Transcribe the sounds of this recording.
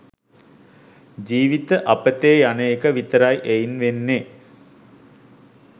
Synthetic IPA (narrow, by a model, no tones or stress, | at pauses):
d͡ʒiːʋit̪əʔapət̪eːjaneːkəʋit̪əɾajʔejnʋenːe